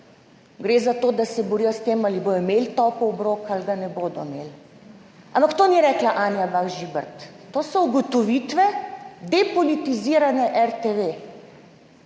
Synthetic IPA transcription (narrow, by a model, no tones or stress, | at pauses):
ɡɾeːzat̪oːd̪asɛbɔɾiːjɔst̪eːmaːliboːjɔmeːlt̪ɔpɔɔbɾoːkalɡanɛboːd̪ɔmeːl | a̰mpakt̪oːniɾɛːklaʔaːnjabaɣʒiːbəɾt̪ːoːsɔuɡɔt̪ɔʋit̪ʋɛd̪ɛpɔlit̪iziːɾanɛʔɛɾt̪eʋe